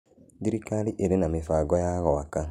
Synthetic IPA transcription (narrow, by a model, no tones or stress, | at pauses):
diɾikaliʔeɾenamefaːɡɔjaɣɔaka